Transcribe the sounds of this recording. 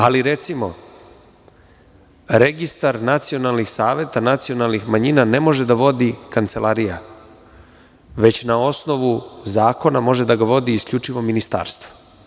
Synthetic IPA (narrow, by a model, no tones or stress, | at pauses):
aliɾe̞t̪simo̞ | ɾe̞ɡist̪aɾnat̪sio̞nalˠnixsaːʋje̞t̪anat̪sio̞nalˠnixmaɲinane̞mo̞ʒe̞d̪aʋo̞d̪ikant̪se̞laɾija̰ | ʋe̞t͡ɕnao̞sno̞ʋuzaːko̞namo̞ʒe̞d̪aɡaʋo̞d̪iːskʎut͡ʃiʋo̞minist̪a̰ːɾst̪ʋo̥